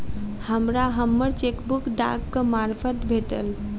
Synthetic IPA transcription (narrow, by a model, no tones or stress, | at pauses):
həmɾaɦəmːəɾt͡ʃekbukɖa̰kːəmaɾpʰət̪bʱeʈə̰l